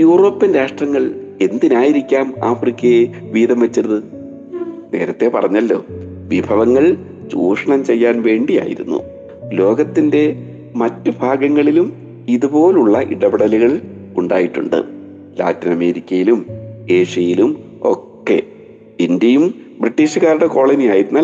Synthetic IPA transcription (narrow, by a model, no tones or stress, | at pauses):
juːro̞ːpːinɾaːʂʈrɐŋːɐɭe̞nd̪inaːjiɾikʲːaːmaːfrikʲːɐje | ʋiːðɐmʋɐt͡ɕːiɾɐðɨ | ne̞ːɾɐt̪ːe̞pɐrɐɲːɐlːo̞̰ː | ʋibʱɐʋɐŋːɐɭ | t͡ɕuːʂɐɳɐmt͡ɕe̞jːaːnʋe̞ːɳɖija̰ːjḭɾunːṵ | lo̞ːɡɐt̪ːinde̞ | mɐtːubʱaːɡɐŋːɐɭilum | iðupo̞ːluɭːɐʔiɽɐbiɽɐliɣɐɭ | uɳɖa̰ːjiʈːuɳɖɨ̰ | la̰ːtːinɐme̞ːɾikʲːɐjilume̞ːʂijɐjilum | o̞̰kkːe̞̰ | indjɐjum | briʈːiːɕɨɣaːɾuɽeko̞ːɭɐnijaːjiɾunːɐ